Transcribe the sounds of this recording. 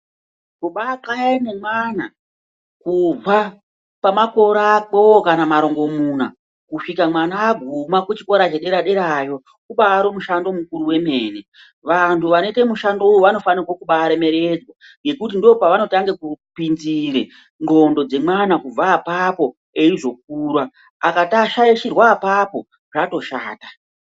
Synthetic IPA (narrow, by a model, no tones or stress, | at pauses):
kuɓakajane̞mwana | kub͡va | pamako̞ɾaːk͡powokanamaɾo̞ŋɡo̞muna̰ | kuʂikamwanaːɡʱumakut͡ʃiko̞ɾat͡ʃeɗe̞ɾaɗe̞ɾajo̞ | kuɓaːɾomuʃando̞mukuɾuwe̞me̞ːne | ʋantʰuʋanoite̞muʃando̞ujuʋano̞fanirwakuɓaːɾe̞me̞ɾe̞d͡zwa | ŋɡe̞kut̬indio̞paʋano̞taŋɡe̞kupinziɾe | ŋɡo̞ndo̞d͡ze̞mwanakub͡vaːpapo̞ | e̞iʐo̞k̚uːrwa | akataʃajiʃirwaːpapo̞ | ʐ̥ato̞ʃa̰ːta